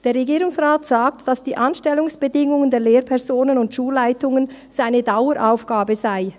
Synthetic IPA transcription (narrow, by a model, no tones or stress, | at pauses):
d̥eːɐɾʁeɡiːɾʊŋsʁaːtz̥aːk̚td̥asd̥iːʔanʃtɛlʊŋsb̥ədɪŋʊŋəndeːɐleːɾpʰɛʁzoːnənʊntʃuːlːaɪtʊŋən | z̥aɪnədaʊəɾʔaʊfɡ̥aːbəzaɪ